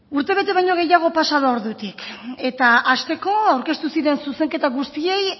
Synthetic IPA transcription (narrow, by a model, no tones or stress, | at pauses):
uɾt̪e̞β̞e̞t̪e̞β̞ajɲo̞ɣe̞jaɣ̞o̞pasaðooɾðut̪ike̞t̪aʔast̪e̞ko̞awɾke̞st̪usiɾe̞nsuse̞ŋke̞t̪aɣust̪ie̞j